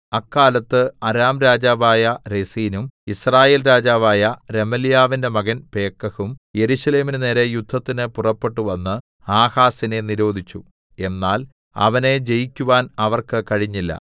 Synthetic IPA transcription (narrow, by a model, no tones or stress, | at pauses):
ɐkːaːlɐt̪ːɨɐɾaːmɾaːd͡ʑaːʋaːjɐɾesiːnumisraːjeːlɾaːd͡ʑaːʋaːjɐɾe̞mɐlijaːʋinde̞mɐɣɐnpe̞ːkːɐɣumje̞ɾuɕɐle̞ːminɨne̞ːɾejud̪ʱːɐt̪ːinɨpurɐpːe̞ʈːuʋɐnːɨ | aːhaːsine̞niɾo̞ːd̪ʱit͡ɕːu | e̞nːaːl | ɐ̰ʋɐne̞d͡ʑe̞jikʲːuʋaːnɐʋɐrkɨkɐɻiɲːilːɐ̰